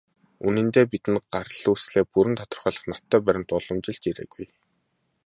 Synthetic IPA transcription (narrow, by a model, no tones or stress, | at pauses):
unɘ̆nt̪eːpit̪ɘ̆nɢarɮuːsɮeːpuɾɘ̆nt̪ʰɔt̪ɞ̆rχœːɮə̆χnat̪ʰːœːpæɾʲɪ̆nt̪ʊɮɞ̆mt͡ɕɪ̆ɮt͡ɕiɾḛːɡuj